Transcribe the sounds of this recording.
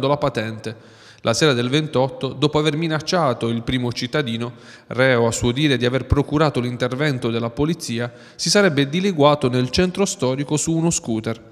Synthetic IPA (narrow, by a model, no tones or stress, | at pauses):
nd̪olapat̪ɛnt̪e | lʔasɛːɾad̪elvent̪ɔt̪ːod̪ɔːpoaverminat͡ʃːaːt̪oilpɾiːmot͡ʃit̪ːad̪iːno | rɛːoasːuod̪iːɾed̪iaverpɾokuɾaːt̪olint̪ervɛnt̪od̪elːapolit̪sːiːa | sisaɾɛbːed̪ileɡwaːt̪onelt͡ʃɛnt̪ɾost̪ɔːɾikosuːnoskuːt̪er